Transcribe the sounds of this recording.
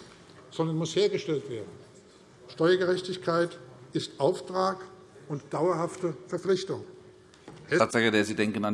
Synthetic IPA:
z̥ɔndɐnmʊsheːɐɡəʃtɛltv̥eːɐdn̩ | ʃtɔʏɐɡəʁɛçtɪçkʰaɪtɪstʔaʊftʁ̥aːk | ʔʊntd̥aʊɐhaftəfɛɐflɪçtʊŋ | ʔɛaːz̥axədeːɐziːdɛŋkənan

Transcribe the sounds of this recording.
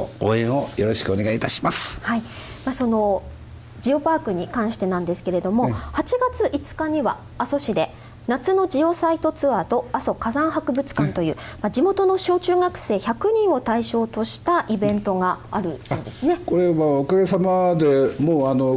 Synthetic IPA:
o̰ːẽɰ̃o̞jo̞ɾo̞ɕi̥kɯone̞ɡait̪aɕi̥masɨ̥hai | maso̞no̞ | d͡ʑio̞paːkɯ̟ɲ̟ikãɰ̃ɕi̥t̪e̞nãnd̪e̞sɨ̥ke̞ɾe̞d̪o̞mo̞hat͡ɕiɡat͡sɨʔit͡sɨ̥kaɲ̟iβa̰ː | so̞ɕid̪e̞ | nat͡sɨno̞d͡ʑio̞sait̪o̞t͡sɨat̪o̞aso̞kazãɰ̃hakɯ̟bɯ̟t͡sɨ̥kãnt̪o̞jɯ̟ːmad͡ʑimo̞t̪o̞no̞ɕo̞ːt͡ɕɨːɡakɯ̟̥se̞ːçakɯ̟ɲ̟ĩɰ̃o̞t̪aiɕo̞ːt̪o̞ɕi̥t̪aʔibẽ̞nt̪o̞ɡaaɾɯ̟joːd̪e̞sɨneko̞ɾe̞βaokaɡe̞samad̪e̞moːano

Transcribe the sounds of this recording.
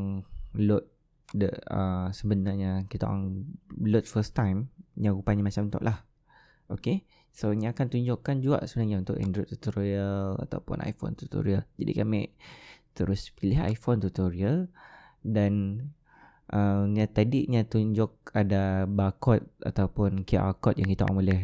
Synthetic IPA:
lʊt̪̚ | dəəsəbənarɲakit̪a̰ʔa̰ŋlʊt̪̚fəst̪ajmɲãɾupaɲamat͡ʃamnt̪ɔ̰ʔlah | oke | soɲãakant̪uɲd͡ʒʊkːand͡ʒua̰ʔsəbənaɦɲaunt̪ʊʔɛ̰ndɾɔt̪ut̪oɾoiəla̰t̪a̰wpʊ̰nʔa̰jfo̰nt̪ut̪o̰ɾiəld͡ʒadḭkamɪʔt̪əɾʊspilɪɦa̰jfont̪ut̪oɾiəl | dan | ʔəɲat̪adiʔɲat̪uɲd͡ʒʊk̚adabakɔt̪̚a̰t̪awpʊnkeʔa̰kɔt̪̚jãŋkit̪aʔɔ̰ŋmolɛh

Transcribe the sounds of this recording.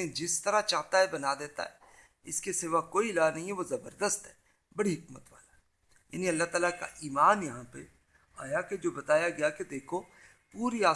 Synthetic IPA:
ẽd͡ʒɪst̪ɐɾat͡ʃaːɦt̪aɦɛbɐnad̪eːt̪a̰ɦɛː | ɪskeseːʋakoːilaːnɐɦĩɦɛʋozɐbəɾd̪əst̪ɦɛː | bɐɽiɦɪkmət̪ʋa̰ːla | ja̰ːniɐlːaɦt̪aːlaka̰ʔiːmaːnjɐɦãpḛ | aːjaked͡ʒoːbɐt̪aːjaɡɐjaked̪eːkʰo | puːɾiaː

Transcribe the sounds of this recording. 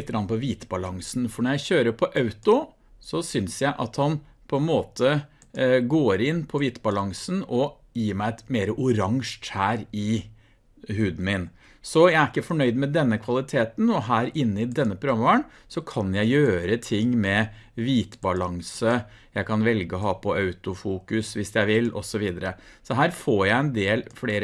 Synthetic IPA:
t̪əɡɾɑnəpɔʋiːt̪bɑlɑŋsn̩fɔɳɔɾjæɪçøːɾəpʰɔʔɑʉt̪ʊ | sɔsʏnsjæɪʔɑt̪hɑn | pʰɔɛnmoːt̪ʰə | ɡoːɾɪnːpʰɔʋiːt̪bɑlɑŋsnɔ | jiːmæɪɛt̪meːɾəʔʊɾɑŋʂæːɾɪ | hʉːd̪n̩mɪn | sɔjæɪæɾɪkːəfɔɳœʏd̪mɛd̪ɛnːəkʰʋɑlɪt̪ʰeːt̪nɔɦæːɾɪnːəɪd̪ɛnːəpʰɾʊɑmːʋɑɳ | sɔkʰɑnjæɪjøːɾət̪ʰɪŋːmɛʋiːt̪bɑlɑŋsə | jæɪkʰɑnʋɛlɡəɔɦɑːpʰɔʔɑʉt̪ʊfuːkʉsʋɪsjæɪʋɪlːɔ̰sɔʋiːd̪əɾəsɔɦæːɾfoːɾjæɪɛnd̪eːlfleːɾə

